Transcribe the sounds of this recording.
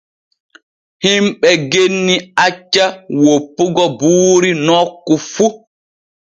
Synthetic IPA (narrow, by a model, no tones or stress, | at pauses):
himɓɛɡenːiat͡ʃːawopːuɡɔbuːɾinɔkːufu